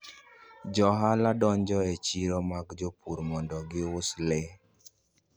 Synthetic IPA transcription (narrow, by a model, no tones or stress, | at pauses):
d͡ʒɔɦaladɔɲd͡ʒɔet͡ʃiɾɔmakd͡ʒopuɾmɔndɔɡɪwʊslɛ